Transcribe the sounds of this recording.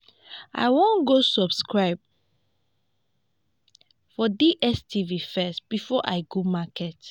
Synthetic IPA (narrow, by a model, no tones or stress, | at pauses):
ʔa̰ɪwõnɡosɔbskɹaɪb̚ | fɔdiʔɛstʰivifɛstb̥ifɔʔa̰ɪɡomakɛt